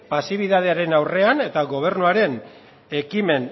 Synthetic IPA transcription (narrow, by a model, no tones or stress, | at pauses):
pasiβ̞iðað̞eaɾe̞nawre̞ane̞t̪aɣo̞β̞e̞rnuaɾe̞n | e̞kime̞n